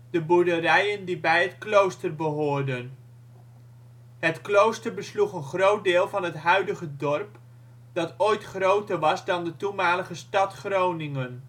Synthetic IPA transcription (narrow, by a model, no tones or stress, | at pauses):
d̥əbuɹdərɛjəndibɛjɦətklowstərbəɦʊːɹdən | ɦətklowstəɹbəsluχənχrowt̚dɪːlˠvɑnɦətɦœɥdəχədɔrp | dɑtojtχrowtəɹʋɑzdɑndətumaːləχəstɑtχrownɪŋən